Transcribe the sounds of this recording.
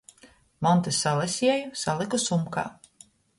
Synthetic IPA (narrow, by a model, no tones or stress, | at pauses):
mɔnt̪isalˠɛsʲiɛjusalˠikusumka̰ː